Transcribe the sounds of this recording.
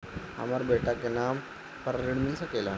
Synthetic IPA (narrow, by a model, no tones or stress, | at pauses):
a̰maɾbeʈakena | pəɾɾiɽminsakela